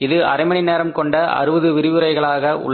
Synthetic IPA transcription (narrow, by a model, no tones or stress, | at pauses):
ɪðɯɐ̰ɾɐɪmɐɳɪneːɾɐmkɔɳɖɐɐ̰ɾɯʋɐðɯʋɪɾɪʋɯɾɐɪɣɐɭaːɣɐʔʊ̰ɭː